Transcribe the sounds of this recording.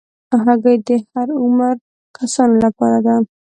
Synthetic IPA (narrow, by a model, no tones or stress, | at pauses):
aɦaɡajd̪ehaɾʊmaɾ | kʰasɔnlapaɾad̪an